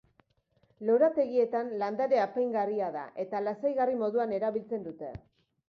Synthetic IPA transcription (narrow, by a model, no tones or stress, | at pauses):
lo̞ɾat̪e̞ɣie̞t̪anland̪aɾe̞apajŋɡariaða̰ʔe̞t̪alasajɣarimo̞ðuane̞ɾaβilt͡se̞nd̪ut̪e̞̰